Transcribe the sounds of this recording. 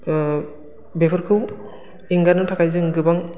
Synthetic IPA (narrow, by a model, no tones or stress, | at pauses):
bepʰɯɾkʰɯw | iŋɡaɾnɯtʰakʰajzɯŋɡɯbaŋ